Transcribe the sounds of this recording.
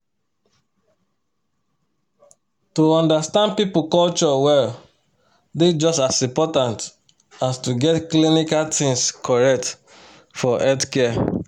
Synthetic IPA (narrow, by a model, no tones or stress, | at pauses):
tuɔ̃ndastãnd̚pipukɔlt͡ʃɔwɛl | ded͡ʒɔstasĩmpɔtãnt | astuɡɛtklinikaltĩŋskʰɔɹɛk̚t | fɔʔɛtkɛ